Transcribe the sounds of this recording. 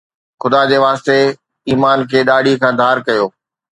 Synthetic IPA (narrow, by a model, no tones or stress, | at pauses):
xʊd̪aːd͡ʑeːʋaːst̪e | iːmaːnkʰeːɗaːɽikʰãːd̪ʱaːɾkɐjoː